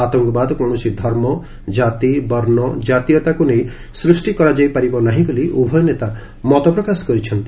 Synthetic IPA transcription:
at̪ɔŋkɔbad̪ɔkɔ̃ɔsid̪ʱɔɾmɔ | d͡ʒat̪ibɔɾnɔd͡ʒat̪ijɔt̪akunej̃ | sɾusʈikɔɾad͡ʒajpaɾibɔnaɦĩboliʔubʱɔjɔnet̪a | mɔt̪ɔpɾɔkasɔ̥kɔɾit͡ʃʰɔnt̪i

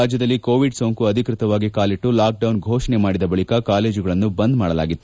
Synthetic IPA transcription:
aːd͡ʒjɐd̪ɐlːikoːʋiɖsoːŋkuɐd̪ʱikɾɪt̪ɐʋaːɡikaːliʈːulaːk̚ɖɐwnɡʱoːʂɐɳemaːɽid̪ɐbɐɭikɐkaːle̞ːd͡ʒuɡɐɭɐnːubɐnd̪maːɽɐla̰ːɡit̪ːu

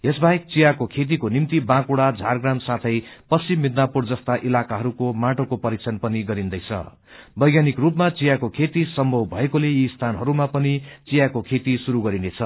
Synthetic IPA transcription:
jesbaek̚t͡sijakokʰet̪̬ikonimt̪ibãkuɽad͡zʱarɡramsat̪ʰʌjpʌsimːid̪napurd͡zʌst̪aʔilakaɦʌɾukomaʈokopʌɾik̚t͡sʰʌnpʌniɡʌɾind̪ʌjt͡sʰʌ̰ | bʌjɡjanikrupmat͡sijakokʰet̪isʌmbʱʌwbʱʌekoleist̪ʰanɦʌɾumapʌnit͡sijakokʰet̪isuɾuɡʌɾinet͡sʰʌ

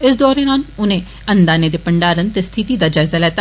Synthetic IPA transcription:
ɪsd̪ɔːɾẽːnaːlʊnẽː | ənd̪aːneːd̪eːpəɳɖaːɾənt̪eːst̪ʰɪt̪iːd̪aːd͡ʒaːɪzaːlɛːt̪ː

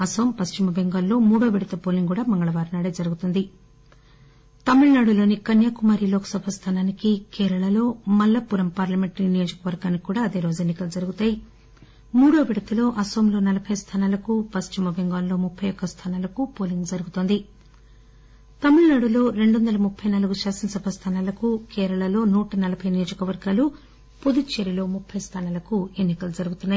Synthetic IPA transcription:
ɐsoːmpɐst͡ʃimɐbeŋɡaːllo̞ːmuːɽo̞ːʋiɽɐt̪ɐpoːliŋɡuːɽaːmɐŋɡɐɭɐʋaːɾnaːɽeːd͡ʒɐɾuɡut̪und̪i | t̪ɐmːiɭnaːɽulo̞ːnikɐnjaːkumaːɾiloːkɐ̥sɐbʱɐst̪ʰaːnaːnikikɛːɾɐɭɐlo̞ːmɐlːɐpuɾɐmpaːɾlɐme̞ɳʈninijoːd͡ʒɐkɐʋɐɾɡaːnːikːuːɽaːɐd̪e̞ːɾo̞ːd͡ʒenːikɐlud͡ʒɐɾuɡut̪aːji | muːɽoːʋiɽɐt̪ɐlo̞ːʔɐsoːmlo̞ːnɐlɐbʰʱɐjst̪ʰaːnaːlɐkupɐst͡ʃimɐʋeŋɡaːnlo̞ːmupʰːɐjɔkːɐst̪ʰaːnaːlɐkupoːliŋɡd͡ʒɐɾuɡut̪oːnd̪i | t̪ɐmuɭɐnaːɽulo̞ːɾe̞ɳɖond̪ɐlɐmupʰːɐjnaːluɡuʃaːsɐnsɐbʱɐst̪ʰaːnaːlɐkukɛːɾɐɭɐlo̞ːnuːʈɐnɐlɐbʱɐjnijo̞ːd͡ʒɐkɐʋɐɾɡaːlu | pod̪ut͡ʃeɾilo̞ːmupʰːɐjst̪ʰaːnaːlɐkue̞nːikɐlud͡ʒɐɾuɡut̪unːaːji

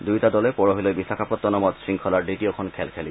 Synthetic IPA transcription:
dujtadɔlɛpɔɹɔɦilojbisakʰapɔt̪ːɔnɔmɔtsɹiŋkʰɔlaɹditiɔkʰɔnkʰɛlkʰɛli

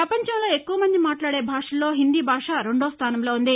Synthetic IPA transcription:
pɾɐpɐɲt͡ʃɐmlo̞ːe̞kːuʋɐmɐnd̪imaːʈlaːɽe̞ːbʱaːʂɐlːo̞ːɦind̪iːbʱaːʂaːɾe̞ɳɖoːst̪ʰaːnɐmloːund̪i

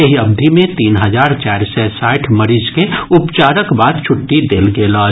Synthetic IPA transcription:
ɐɦiɐb̚d̪ʱimẽt̪iːnɦɐzaːɾt͡ʃaːɾsesaːɪʈʰməɾiːd͡ʒkeʊpt͡ʃaːɾəkbaːd̪̚t͡ʃʰʊʈːid̪eːlɡelɔː

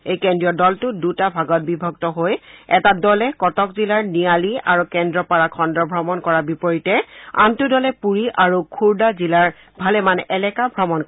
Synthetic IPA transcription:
ejkɛndɹiɔdɔltʊdutabʱaɡɔt̚bibʱɔɡtɔɦojɛ̰tadɔlɛkɔtɔkzilaɹnialiaɹukɛndɹɔpaɹakʰɔndɔbʱɹɔmɔnkɔɹabipɔɹitɛa̰mtʊdɔlɛpuɹiʔaɹukʰuɹdazilaɹ | bʱalɛmanɛʔɛlɛkabʱɹɔmɔnk

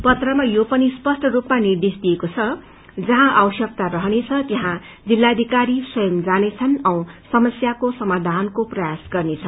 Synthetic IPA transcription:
pʌt̪rʌmajopʌnispʌsʈʰʌɾupmanird̪esd̪iekot͡sʰʌ | d͡zʌɦãʔawʌsjʌk̚t̪aɾʌɦʌnet͡sʰʌt̪eɦã | d͡zilːad̪ʱikaɾisʌjʌmd͡zanet͡sʰʌnʌw̃sʌmʌsjakosʌmad̪ʱankoprʌjasɡʌrnet͡sʰʌ

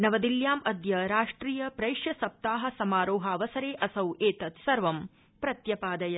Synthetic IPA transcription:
nɐʋɐd̪iljaːmʔɐd̪jɐɾaːʂʈɾiːjɐpɾɐjʂjɐsɐp̚t̪aːɦɐ̆sɐmaːɾoːɦɐːʋɐsɐɾeːʔɐsɐwʔeːt̪ɐt̪sɐɾʋɐm | pɾɐt̪jɐpaːd̪ɐjɐ

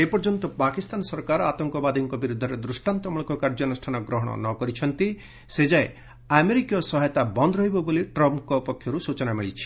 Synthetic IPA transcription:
epɔɾd͡ʒɔnt̪ɔpakist̪anɔsɔɾkaɾɔat̪ɔŋkɔbad̪iŋkɔbiɾud̪ʱːɔɾed̪ɾusʈant̪ɔmɔɭkɔkaɾd͡ʒɔnɔsʈʰanɔɡɾɔɦɔɽ̃ɔ̰nɔkɔɾit͡ʃʰɔnt̪i | sed͡ʒae | ameɾikijɔsɔɦɔjt̪abɔnd̪ʱɾɔɦibɔboliʈɾɔmpkɔupɔkʰjɔɾusut͡ʃɔnamiɭit͡ʃʰi̥

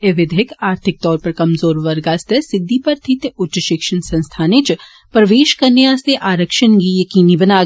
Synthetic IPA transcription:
eʋɪd̪ʱɪkaːɾt̪ʰɪk̚t̪ɔːɾpɐɾkɐmzoːɾʋɐɾɡaːst̪ʰesɪd̪ːiːpɐɾt̪ʰit̪ʊtːt͡ʃəʃɪkʃənsɐ̃nst̪ʰaːnet͡ʃ | pɾɐʋeːʃkɐɾneaːst̪eʔaːɾəkʃənɡiːjɐkiːniːbɐnaː

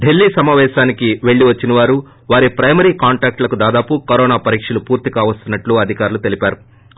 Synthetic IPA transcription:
ɖelːiːsɐmaːʋɛːʃaːnikiʋe̞ɭːiʋɐt͡ʃːinɐʋaːɾu | ʋaːɾipɾɐjmɐɾiːkaːɳʈaːk̚ʈlɐkud̪aːd̪aːpukɐɾɔːnaːpɐɾiːkʂɐlupuːɾt̪iɡaːʋɐst̪unːɐʈluɐd̪ʱikaːɾulut̪e̞lipaːɾu

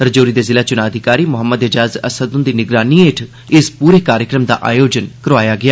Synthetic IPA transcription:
əɾd͡ʒoːɾiːd̪eːzɪlaːt͡ʃʊnaːəd̪ʱɪkaːɾiːmʊɦəmːəd̪ɪd͡ʒaːzə̰səd̪ʊnd̪iːnɪɡɾaːniːeːʈʰ | ɪspuːɾeːkaːɾjəkɾəmd̪a̰ːʔa̰ːjoːd͡ʒənkəɾʋaːjaːɡɪaː

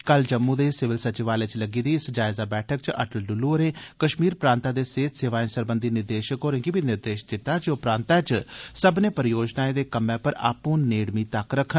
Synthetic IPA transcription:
kəld͡ʒəmːũːd̪eːsɪʋɪlsət͡ʃɪʋaːlet͡ʃləɡiːd̪iːɪsd͡ʒaːɪzaːbɛːʈʰək̚t͡ʃə̰ʈəlɖʊlːuəɾẽːkəʃmiːɾpɾãːnt̪aːd̪eːseːt̪seːʋaːĩːsəɾbənd̪iːnɪɾd̪eːʃəkɦoːɾẽːŋɡiːbiːnɪɾd̪eːʃd͡ʒ̪ɪt̪ːaːd͡ʒoːpɾãːnt̪aːt͡ʃsəbneːpəɾjoːd͡ʒnaːẽːd̪eːkəmːɛ̃ːpəɾa̰ːpõːneːɽmiːt̪əkɾəkʰən

